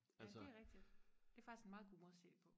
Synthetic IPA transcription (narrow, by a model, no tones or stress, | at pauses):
ælseʁɛɡ̥̚d̥i̥d̥eæɐfɑɡ̥isɡ̥enmɑ̈ːðˠɡ̥o̝mɔ̽se̥pʰɔ̽